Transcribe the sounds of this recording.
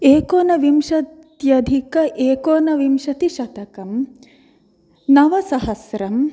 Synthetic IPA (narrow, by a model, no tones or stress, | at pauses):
eːkoːnɐʋimʃɐt̪ | jɐd̪ʱikɐʔeːkoːnɐʋimʃɐt̪iʃɐt̪ɐkɐm | nɐʋɐsɐɦɐsɾɐm